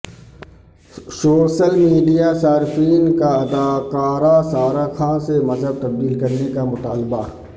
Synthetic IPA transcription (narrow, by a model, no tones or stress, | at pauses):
soːʃəlmiːɖijasaːɾɪfiːnkaɐd̪aːkaːɾasaːɾakʰãːsemɐzəb̚t̪ɐb̚d̪iːlkɐɾnekamʊt̪aːlba